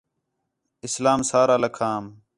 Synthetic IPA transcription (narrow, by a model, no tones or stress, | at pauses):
ɪslaːmsaːɾaːləkʰaːm